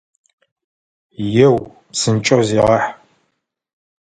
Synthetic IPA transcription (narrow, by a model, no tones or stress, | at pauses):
jɛw | psɨnt͡ʃʼɐwziːʁɐħ